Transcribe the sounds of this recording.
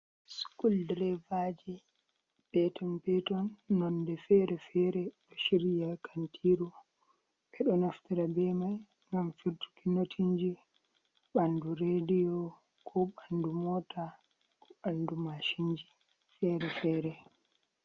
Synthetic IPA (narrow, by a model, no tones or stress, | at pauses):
skuldɾɛvad͡ʒi | bɛtɔnpɛtɔnːɔndɛfɛɾɛfɛɾɛɗɔʃiɾijakʰantʰiɾu | ɓɛɗɔnaftiɾabɛmaj | ŋɡamfiɾtu̥kinotʰiɲd͡ʒi | ɓanduɾedijɔ | kʰɔɓandumɔta | kɔɓandumaʃiɲd͡ʒi | fɛɾɛfɛɾɛ